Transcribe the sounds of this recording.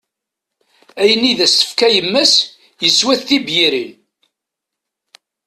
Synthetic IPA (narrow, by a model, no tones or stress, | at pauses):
æjəniðæsə̥fkæjəmːæs | jəswæθθibjiɾin